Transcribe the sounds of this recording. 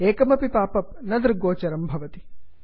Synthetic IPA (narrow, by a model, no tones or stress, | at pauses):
eːkɐmɐpipaːpɐp̚nɐd̪ɾɡoːt͡ʃɐɾɐmbʱɐʋɐt̪i̥